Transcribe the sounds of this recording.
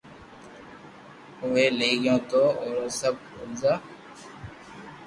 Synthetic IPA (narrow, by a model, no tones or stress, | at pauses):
ʊʋeːleːɡɪjõːt̪oːoːɾoːsəb̚ʱʊzaː